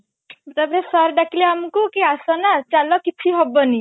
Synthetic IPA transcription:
t̪abɾesɔɾɖakileamkukiasɔnat͡ʃalɔkit͡ʃʰiɦɔbɔni

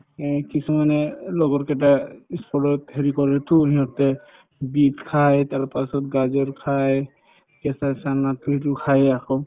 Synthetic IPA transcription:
kisumanɛlɔɡɔɹkɛt̬aispʰɔɹɔtheɹikɔɹɛtuɦiɦɔtɛ | bitkʰajtaɹpasɔtɡazɔɹkʰaj | kɛsasanatutukʰajakɔ

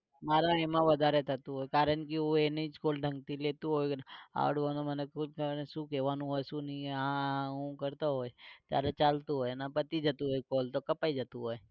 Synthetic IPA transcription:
maːɾamãʋɐd̪aɾet̪at̪uɦoːjkaːɾənkioenəĩt͡ʃkoːlɖʱə̃ŋɡt̪ileːt̪uɦoːja̰ːɽʋanomənekksukeʋanũɦojsunieãũkəɾt̪aɦoet̪a̰ːɾat͡ʃaːlt̪uɦoːjnapət̪id͡ʒat̪uɦoːjkoːlt̪okɐpaːid͡ʒat̪uɦoj

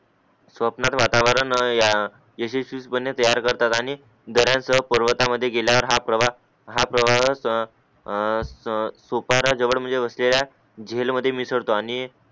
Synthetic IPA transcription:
sʋəpnat̪ʋat̪aʋəɾənja | jəɕeɕuspənːjət̪əjaɾkəɾt̪at̪aɽ̃i | d̪əɾjãnsəɦpəɾʋət̪aməd̪ʱːjeɡeljaʋəɾɦapɾəʋa | ɦapɾəʋaɦ | sopaɾad͡zəʋəɽm̤əɳd͡zeʋəslelja | d͡ʑʱelməd̪ʱːjemisəɽt̪oaɽ̃i

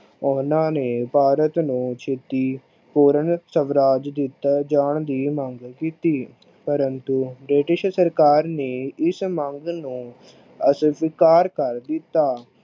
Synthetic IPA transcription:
ʊnãːneːpaːɾət̪nũːt͡ʃʰeːt̪iː | poːɾənsəʋɾaːd͡ʒd̪ɪt̪ːaːd͡ʒaːɳd̪iːməŋɡkiːt̪iː | pəɾənt̪uːbɾɪʈɪʃsəɾkaːɾneːɪsməŋɡnũː | əsbɪkaːɾkəɾd̪ɪt̪ːaː

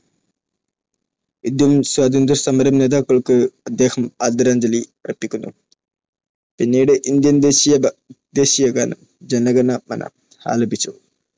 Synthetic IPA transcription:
id̪jɐmswaːd̪ɐnd̪ɐɾsɐmɐɾɐmneːd̪aːkːɐɭkɨɐd̪ːeːhɐmaːd̪ɐɾaːɲd͡ʑɐliɐrɐpːikʲːunːṵ | pinːiːɽɨʔind̪jɐnd̪eːɕijɐd̪eːɕiːjɐɡa̰nɐm | d͡ʑɐnɐɡɐnɐmɐ̰nʔɐ̰ | ha̰ːlɐbit͡ɕːu

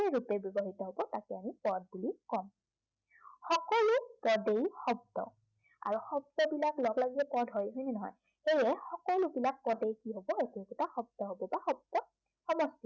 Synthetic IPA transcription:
eɹupɛbjɔbɔɦitɔɦobɔtakɛamipɔd̚bulikɔm | xɔkɔlupɔdejxɔb̚tɔ̰ | a̰ɹuxɔb̚dɔbilaklɔɡlaɡizɛpɔdɦojɦojnɛnɔɦɔ̰j | xejɛxɔkɔlubilak̚pɔdejkiɦobɔekukutaxɔb̚tɔɦobɔbaxɔb̚dɔ | xɔmɔsti

